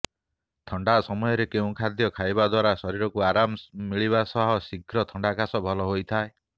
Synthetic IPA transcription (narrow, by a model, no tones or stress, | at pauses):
t̪ʰɔɳɖasɔmɔjɔɾekeũkʰad̪jɔkʰajbad̪waɾasɔɾiɾɔkuaɾammiɭiβasɔɦɔsiɡɾɔt̪ʰɔɳɖakasɔbʱɔlɔɦojt̪ʰae